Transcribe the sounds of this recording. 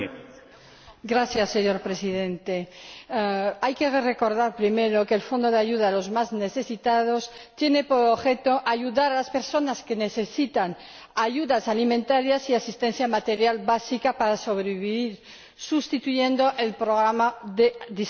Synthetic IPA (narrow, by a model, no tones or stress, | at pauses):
ɡɾaθjasːeɲo̞ɾpɾe̞siðe̞nt̪e | ajkerre̞ko̞ɾðaɾpɾime̞ɾo̞keːlfo̞nd̪o̞ð̞eaʝuðaːlo̞zmazne̞θe̞sit̪að̞o̞st̪je̞ne̞poɾoβxe̞t̪o̞ʔaʝuðaɾalaspe̞ɾso̞naske̞ne̞θe̞sit̪an | aʝuðasalimẽnt̪aɾjasiasist̪ẽ̞n̟θjamat̪e̞ɾjalbasikapaɾaso̞βɾeβiβiɾ | sust̪it̪uʝe̞nd̪o̞ʔe̞lpɾoɣɾamaðeðis